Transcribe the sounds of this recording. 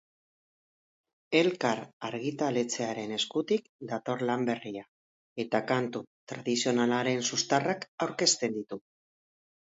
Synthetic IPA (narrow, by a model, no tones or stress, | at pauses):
e̞lkaɾaɾɣit̪ale̞t͡se̞aɾe̞ne̞skut̪ikd̪at̪o̞ɾlambe̞ria | e̞t̪akant̪ut̪ɾað̞isio̞nalaɾe̞nsust̪arakawɾke̞st̪e̞nd̪it̪u